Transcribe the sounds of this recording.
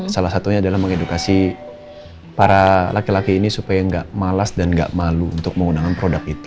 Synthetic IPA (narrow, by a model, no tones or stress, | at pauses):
salahsat̪uɲaːdalahməŋedukasi | paɾalakilakiːnisupajaŋɡaʔmalasdanɡa̰ʔmaluṵnt̪ʊk̚məŋunaŋanpɾodakit̪u̥